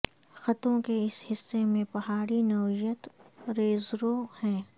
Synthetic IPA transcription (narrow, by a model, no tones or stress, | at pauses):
xɐt̪õkeɪshɪsːemẽpɐɦaːɽinɐʋijət̪ɾeːzɾohɛ̃ː